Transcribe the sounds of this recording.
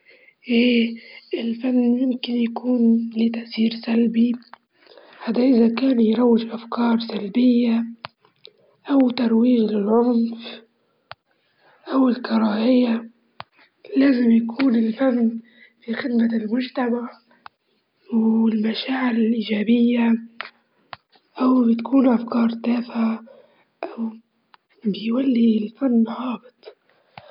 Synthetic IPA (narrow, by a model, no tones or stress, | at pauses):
ʔeːʔɪlfanːmɪmkɪnjakuːnliːt̪aʔsiːɾsalbi | ħad̪aʔɪzakaːnjɾˤɑwːɪʒʔafkɑːɾˤsalbɪjːa | ʔawt̪ɑɾˤwiːʒlɪlʕʊnf | ʔawɪlkɑɾˤɑːʔɪjːa | laːzɪmjakʰuːnɪlfamn | fixɪd̪malmʊʒt̪amaʕ | wɪlmaʃaːʕɪɾɪlʔiːd͡ʒaːbɪjːa | ʔawbɪt̪akʰuːnʔafkɑːɾˤt̪aːfʕa | ʔaw | bɪjwalːilfanːɣɑːbɪt̪ˤ